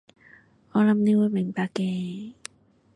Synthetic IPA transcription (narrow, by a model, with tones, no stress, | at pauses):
ɔ˧la˧mni˦˧˥wu˧˥me˨˩˦ŋpaː˧keː˧